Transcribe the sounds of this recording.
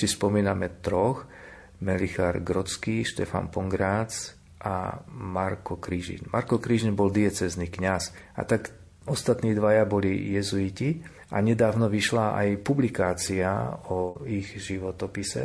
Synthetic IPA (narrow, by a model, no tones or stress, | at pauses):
sispɔmiːnamɛt̪ɾɔx | mɛlixaɾɡɾɔt͡skiːʃt̪ɛfa̰npɔŋɡɾaːt͡s | ʔa̰maɾkɔkɾiʒḭnmaɾkɔkɾiʒinbɔld̪iɛt͡sɛznikɲas | a̰t̪ak | ɔst̪at̪niːd̪ʋajabɔlijɛzuici | ʔa̰ɲɛd̪aːʋnɔʋiʃlaʔa̰jpublikaːt͡sia̰ɔiɣʒiʋɔt̪ɔpisɛ̰